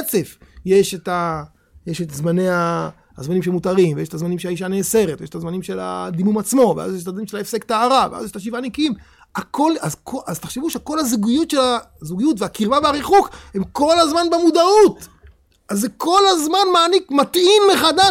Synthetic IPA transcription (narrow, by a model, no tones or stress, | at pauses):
t͡se̞fjeʃeta | jeʃetzmane̞ja | zmanimʃemutaʁimvejeʃet̪azmanimʃeaiʃ̬aneːse̞ʁet̪vejeʃet̪azmanimʃe̞la̰d̪imumat͡smo̞veʔa̰zjeʃ̬tad̪iumʃelaefsektaaʁavḛʔa̰zjeʃt̪aʃ̬ivanikiim | ako̞lazkoʔazt̪aχʃevuʃeko̞lazuɡujutʃelazuɡijutveakiʁvaveaʁiχukhe̞mko̞lazmanbemud̪aut | ʔazeko̞lazmanmaːnikmat̪imleχada